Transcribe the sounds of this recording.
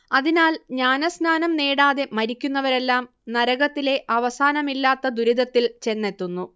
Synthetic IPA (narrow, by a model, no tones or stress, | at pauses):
ɐðinaːlɲaːnɐsnaːnɐmneːɽaːðe̞mɐɾikʲːunːɐʋɐɾe̞lːaːm | nɐɾɐɣɐt̪ːile̞ʔɐʋɐsaːnɐmilːaːt̪ːɐd̪uɾiðɐt̪ːilt͡ɕe̞nːe̞t̪ːunːu